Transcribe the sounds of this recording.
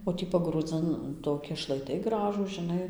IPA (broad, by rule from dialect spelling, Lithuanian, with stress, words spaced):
oː ˈtʲiː pɐɡruːˈd͡zɨn ˈtoːkʲɪ ʃlˠɐɪˈtɐɪ ˈɡrɑːʒuːs ʒʲɪˈnɐɪ